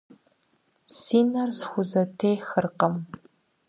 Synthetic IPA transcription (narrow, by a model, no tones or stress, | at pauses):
siːnɐrsxʷʊzɐtʰeːjxɨrqɐm